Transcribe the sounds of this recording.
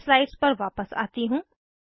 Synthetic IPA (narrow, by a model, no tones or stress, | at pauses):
slaːɪɖspɐɾʋaːpəsa̰ːt̪iɦũː